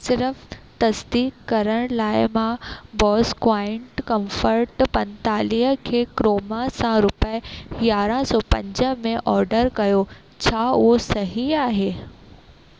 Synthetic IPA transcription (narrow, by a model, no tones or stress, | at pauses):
sɪɾft̪ɐsd̪iːkːɐɾəɽ̃laːɪmãbɔːskwaːɪ̃ɳʈkɐ̃mfəɾʈpɐ̃nt̪aːliːkʰeːkɾoːmasãɾʊpəjaːɾãsɔːpɐ̰̃ɲd͡ʑəmẽʔɔːɾɖəɾkɐjo | t͡ɕʰaːʊosɐɦiaːɦeː